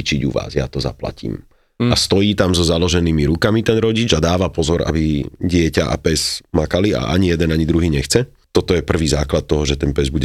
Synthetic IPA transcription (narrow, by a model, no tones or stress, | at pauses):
t͡ʃiɟṵʋa̰ːzja̰t̪ɔza̰pla̰cḭːm | ast̪ɔjiːt̪amzɔzalɔʒɛniːmiɾukamit̪ɛnɾɔɟid͡ʒad̪aːʋapɔzɔɾʔa̰biɟɪɛcaʔa̰pɛzmakalia̰ʔa̰ɲijɛd̪ɛnaɲid̪ɾuɦiːɲɛxt͡sɛ | t̪ɔt̪ɔjɛpr̩ʋiːzaːklat̪̚tːɔɦɔʒɛt̪ɛnpɛzbuɟɛ